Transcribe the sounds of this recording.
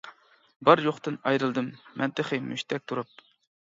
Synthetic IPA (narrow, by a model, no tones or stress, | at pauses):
bɑɾjoχt̪ɨnɑjɾɨlˠd̪ɨmːɛnt̪ɨχɨmy̰ʃt̪ʰɛk̚ʲt̪ʰuɾɑp̚